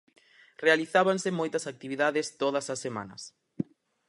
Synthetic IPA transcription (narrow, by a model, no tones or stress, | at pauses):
realiθaβansɪmojt̪ɐsak̚t̪iβiðaðɪst̪oðɐsɐsːemã̰nɐ̰s